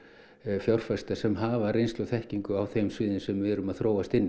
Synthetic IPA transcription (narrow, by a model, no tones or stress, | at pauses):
fjawr̥fast̪asɛmɦaːvarejnst̪owθɛhciŋkʏawθejmsvɪːðɪnsɛmvɪɛɾʏmaðθɾoːwast̪ɪnː